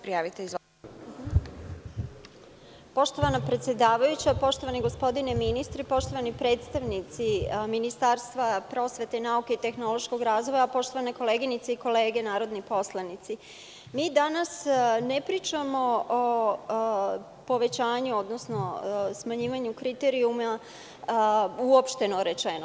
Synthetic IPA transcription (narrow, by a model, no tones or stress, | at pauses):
pɾijaːʋit̪eiz | po̞ʃt̪o̞ʋanapɾet̪sje̞d̪aːʋajut͡ɕapo̞ʃt̪oʋaniɡo̞spo̞d̪ineminist̪ɾipo̞ʃt̪o̞ʋanipɾe̞ːt̪st̪aʋnit̪siminist̪aɾst̪ʋapɾo̞ːsʋe̞t̪e̞naukeit̪e̞xno̞lo̞ʃko̞ɡɾaːzʋo̞japo̞ʃt̪o̞ʋaneko̞leːɡinit̪seiko̞le̞ːɡe̞naːɾo̞d̪nipo̞slˠanit̪si | miːd̪anasnepɾiːt͡ʂamo̞o | po̞ʋe̞t͡ɕaːɲuo̞d̪nosno̞smaɲiːʋaɲukɾit̪eɾiuma | uopʃt̪e̞noɾet͡ʃeno